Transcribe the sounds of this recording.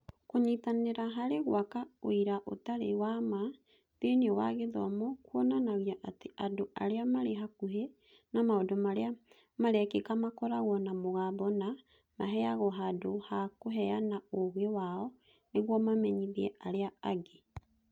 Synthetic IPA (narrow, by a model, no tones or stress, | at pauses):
koɲitaneɾaɦaɾeɣw̰akaoiɾaʔo̰taɾewama | peneɔwa̰ɣeðɔ̰mɔkwɔnanaɣiaʔateadoʔaɾeamaɾeɦakuɦe | namaodomaɾea | maɾɛkekamakɔɾaɣɔnamoɣabɔna | maɦɛaɣɔɦadohakoɦɛanaoɣewaɔ | neɣwɔmamɛɲiðiɛaɾeaaɡe